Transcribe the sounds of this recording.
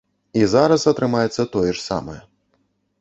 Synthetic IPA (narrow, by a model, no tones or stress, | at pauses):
izaɾɐsɐt̪ɾɨmajɛt̪sːɐt̪ɔjɛʂsa̰mɐjɛ